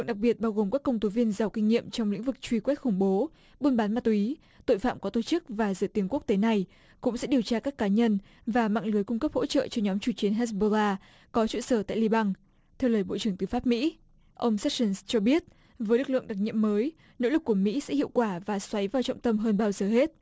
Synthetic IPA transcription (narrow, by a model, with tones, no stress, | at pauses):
ŋɗa˨˩k̚ɓi˨˩ət̚ɓaː˧wɣo˨˩mkaː˦˥kːə˧wŋ͡mt̪o˨˦vi˧ənzaː˨˩wkï˧ŋ̟ːḭ˧˨əmt͡ɕɔ˧wŋ͡mlḭ˧˥ŋ̟vɨ˨˩k̚t͡ɕwi˧kwɛ˦˥t̚xʊ˧˩ŋ͡mɓo˨˦ | ɓu˧nɓaː˨˦nma˨˧t̪i˨˦ | t̪o̰˧˨jfa̰ː˧˨mkɔ˨˦t̪o˧˩t͡ɕɨ˦˥k̚vaː˨˩zɨ̰˧˩ət̪i˨˦ənku˦˥ək̚t̪e˨˦na˨˩j | kʊ̰˧˥ŋ͡msɛ̰˧˥ɗi˨˩əwt͡ɕaː˧kaː˦˥kːaː˨˦ɲə˧n | vaː˨˩ma̰ː˧˨ŋlɨ˨˦jkʊ˧ŋ͡mkə˦˥p̚ho̰˧˥t͡ɕə̰ː˧˨t͡ɕɔ˧ɲɔ˨˦mt͡ɕu˧˩t͡ɕi˨˦ənɦa˦˥sɓo˧laː˧ | kɔ˨˦t͡ɕṵ˧˨səː˧˩t̪a̰ː˧˨jli˧ɓa˧ŋ | t̪ʰɛ˧wləː˨˩jɓo̰˧˨t͡ɕɨ˧˩əŋt̪ɨ˨˩faː˦˥p̚mḭ˧˥ | ʔə˧wŋ͡msɛ˦˥t̚sə˧nst͡ɕɔ˧ɓi˦˥ət̚ | vəː˨˦jlɨ˨˩k̚lɨ̰˧˨əŋɗa˨˩k̚ɲḭ˧˨əmməː˨˦j | no̰˧˥lɨ˨˩kːu˧˩əmḭ˧˥sɛ̰˧˥hḭ˧˨əwkwaː˧˩vaː˨˩swa˨˦jvaː˨˩wt͡ɕɔ̰˧˨wŋ͡mt̪ə˧mɦəː˧nɓaː˧wzəː˨˩ɦe˦˥t̚